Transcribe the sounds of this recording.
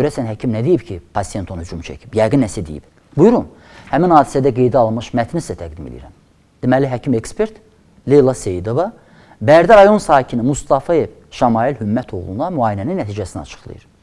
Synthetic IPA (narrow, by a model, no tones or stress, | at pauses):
ɟøɾæsænɦæcʰimnæd̪ejipcʰipʰɑsijet̪ʰo̞nuhyd͡ʒumt͡ʃʰæ̰cʰi̥bjɑjɡɯnːæsæd̪ḭjḭb | bujuɾun | hæminhɑːd̪i̥sæd̪æɡe̞jd̪æɑlˠmɯʃmæt̪ʰnislæt̪ʰæɡd̪imelḭḭɾæm | d̪̥imæliɦæcʰimekspe̞ɾt̪ | lelˠɑsejid̪o̞vɑ | bæɾd̪æɾɑjo̞nsɑːhcʰinimust̪ɑfɑje̞v | ʃɑmɑilhymːæt̪ʰoɣlˠṵnd̪ɑmyɑːjinæninːæt̪ʰiːd͡ʒæsiniɑ̰t͡ʃʰɯ̥χlˠɯ̰jɯ̰ɾ